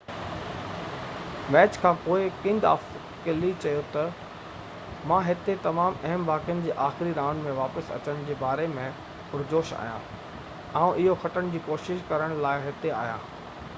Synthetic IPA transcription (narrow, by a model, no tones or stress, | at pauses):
mɛːt͡ɕkʰãːpoːɪkɪ̃nd̪a̰ːf | kɪlit͡ɕɐjot̪ɐ | mãːɦɪt̪et̪ɐmaːmɐɦəmbaːkijʊnɪ̆d͡ʑeːʔaːxɪɾiɾaːnmẽʋaːpəsɐ̰t͡ɕəɽ̃d͡ʑeːbaːɾemẽ | ʊɾd͡ʑoːʃa̰ːɦijã̰ː | ãːũʔɪɦoxɐʈəɽ̃d͡ʑiːkoːʃɪʃkɐɾəɽ̃laːɪɦɪt̪ea̰ːɦjã̰ː